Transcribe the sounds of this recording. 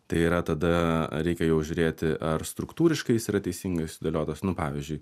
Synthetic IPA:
t̪ɐɪiːɾɐt̪ɐd̪ɐɾʲɛɪkʲɛjɛʊʒʲʊːɾʲeːt̪ʲɪʔɐrst̪ɾʊkt̪uːɾʲɪʃkɐɪjɪsiɾɐt̪ʲɛɪsʲiːŋɡɐsʊsʲɪd̪oːlʲoːt̪osnʊpɑːʋʲɪzʲd͡ʒʲʊɪ

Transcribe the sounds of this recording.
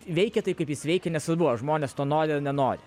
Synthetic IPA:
ʋʲɛɪkʲɛt̪ɐɪkɐɪpjɪsʋʲɛɪkʲɛnʲɛsɐbʊʋɐʒmoːnʲeːst̪oːnoːɾʲɪnʲɛnoːɾʲɪ

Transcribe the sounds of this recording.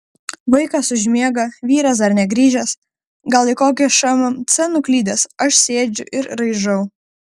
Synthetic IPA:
ʋɐɪkɐsʊʒʲmʲiɛɡɐʋʲiːɾɐsɐɾnʲɛɡɾʲiːʒʲɛs | ɡɐlˠɪkoːkʲɛʃɑmɐmt̪sʲɛnʊklʲiːd̪ʲɛsɐʃsʲeːd͡ʒʲʊʔɪɾɾɐɪʒɐʊ

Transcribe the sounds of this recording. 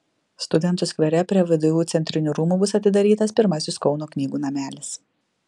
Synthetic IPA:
st̪ʊd̪ʲɛnt̪ʊskʋʲɛɾʲɛpʲɾʲiɛʋʲɪd̪ʊjuːt̪sʲɛnʲt̪ʲɾʲɪnʲuːɾuːmuːbʊsɐt̪ʲɪd̪ɐɾʲiːt̪ɐspʲɪɾmɐsʲɪskɒʊnoːknʲiːɡuːnɐmʲæːlʲɪs

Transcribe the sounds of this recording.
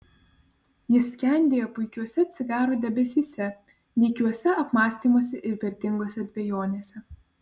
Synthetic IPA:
jɪsːʲkʲɛˑnʲd̪ʲeːjoːpʊɪkʲuɔsʲɛɐt̪ʲsʲɪɡ̪ɑːɾoːd̪ʲɛbʲɛsʲiːsʲɛ | nʲɛɪkʲuɔsʲɛɐpmɑːsʲt̪ʲiːmoːsʲɛʔɪɾʋʲɛɾʲt̪ʲɪŋɡoːsʲɛɐd̪ʲbʲejoːnʲeːsʲɛ

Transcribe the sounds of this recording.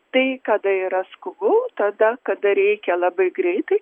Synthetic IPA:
t̪ɐɪkɐd̪ɐiɾɐskʊbʊt̪ɐd̪ɐkɐd̪ɐɾʲɛɪkʲɛlˠɐbɐɪɡɾʲɛɪt̪ɐɪ

